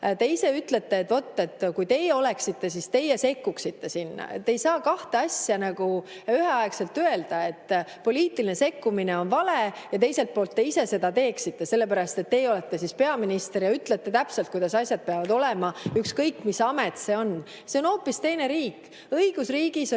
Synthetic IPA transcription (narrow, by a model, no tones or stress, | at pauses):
t̪e̞ise̞yt̪ːle̞t̪ːe̞ːt̪ːvo̞t̪ːe̞t̪ːkujt̪e̞jeo̞le̞ksit̪ːe̞sist̪e̞jese̞kːuksit̪ːe̞sinːɑ̰ḛt̪ːe̞jsɑːkɑht̪eɑsjɑnɑɡ̥u | yheɑekse̞lt̪ːøe̞ld̪ɑe̞t̪ːpo̞lʲiːt̪iline̞se̞kːumine̞o̞nvɑlejɑt̪e̞jse̞lt̪̚po̞ːlt̪ːe̞ise̞se̞d̪ɑt̪e̞ːksit̪ːe̞se̞lːe̞p̬æɾɑst̪e̞t̪ːe̞ːjo̞le̞t̪ːe̞sispe̞ɑminist̪eɾjɑyt̪ːˑlet̪ːe̞t̪æpselt̪̚kujd̪̥ɑsɑsʲjɑd̪̚peɑvɑd̪o̞lemɑykskɤjkːˑmisɑmet̪se̞o̞n | se̞o̞no̞ːpːˑist̪e̞jne̞ɾiːkːˑ | ɤiɡ̥usriːɡ̥is